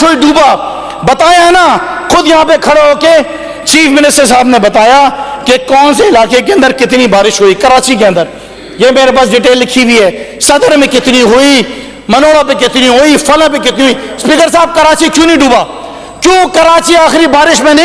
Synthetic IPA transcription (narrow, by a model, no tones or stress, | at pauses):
kʰoiɖuːbaː | bət̪aːjaɦnaːxʊd̪jɐɦãːpekʰɐɽeɦoːke | t͡ʃiːfmɪnɪsʈəɾs̬aːbnebɐt̪aːjaːkekɔːnseɪlaːkek̬eɐ̃nd̪əɾkɪt̪nibaːɾɪʃɦoːiːkɐɾaːt͡ʃik̬eə̃nd̪əɾ | jeːmeːɾepaːs̬ɖiːʈ̬eːlːɪkʰibiɦɛːsɐd̪əɾmẽkɪt̪niɦoiː | mənoːɽap̬ẽkɪt̪niɦoːiːfʰɐlə̃pẽkɪt̪niɦoiːspiːkəɾsaːb̚kəɾaːt͡ʃikjũːnĩɖuːbaː | kjõːkəɾaːt͡ʃiaːxɾibaːɾɪʃmẽñ